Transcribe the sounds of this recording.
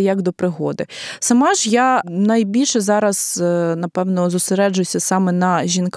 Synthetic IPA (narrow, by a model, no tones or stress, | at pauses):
jɐɡd̪ɔpɾɪɦɔd̪ɪsɐmɑʒjanɐjbʲilʲʃɛzɑɾɐz̥nɐpɛwnɔzʊseɾɛd͡ʒʊjʊsʲɐsɑmɛnɐʒʲink